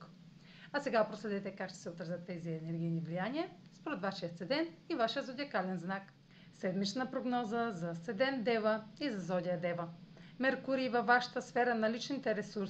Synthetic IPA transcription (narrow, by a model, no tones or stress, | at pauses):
ɐsɛɡapɾoslɛd̪ɛt̪ɛkakʃt̪ɛ̥sɛot̪ɾɐzʲət̪ːɛziɛnɛɾɡʲijnivlijaniɐ | spoɾɛt̪vaʃiət̪sɛd̪ɛnivaʃijəzod̪ʲiɐkalɛnznak | sɛd̪mit͡ʃ̪nəpɾoɡnɔzəzɐt̪sɛd̪ɛnd̪ɛvəizɐzɔd̪ʲiɐd̪ɛvəmɛɾkuɾivɐvːaʃə̥t̪əsfɛɾənɐlit͡ʃnit̪ɛɾɛsuɾs